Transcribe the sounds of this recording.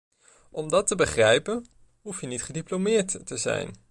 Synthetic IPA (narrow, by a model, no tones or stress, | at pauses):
ʔɔmdɑtəbəχrɛjpən | ɦufjənitχədiplomɪːɹtəzɛ̰jn